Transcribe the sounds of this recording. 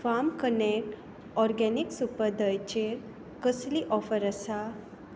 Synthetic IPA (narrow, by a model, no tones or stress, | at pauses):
famkənekʈ | ɔɾɡɛniksupəd̪əjt͡ɕeɾ | kəsliʔɔfəɾəsa